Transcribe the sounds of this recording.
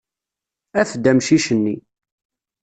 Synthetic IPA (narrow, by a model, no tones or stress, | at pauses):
æθd̪æmʃiʃənːi